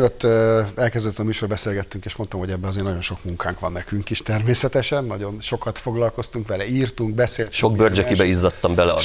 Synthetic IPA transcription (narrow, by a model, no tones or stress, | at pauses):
løt̪ːɛlkɛzd̪øt̪ːɒmyːʃo̞rbɛseːlɡɛt̪ːyŋkeːʃmo̞nt̪omɦo̞ɟɛbːɛɒzeːrnɒɟo̞nʃo̞kmuŋkʰaːŋkʋɒnːɛkyŋkiʃt̪ɛrmeːsɛt̪ɛʃɛnːɒɟo̞nʃo̞kɒt̪fo̞ɡlɒlko̞st̪uŋkʋɛlɛiːrt̪uŋɡ̚bɛseːlʃoɡbørd͡ʒɛkibɛizːɒt̪ːɒmbɛlɛɒ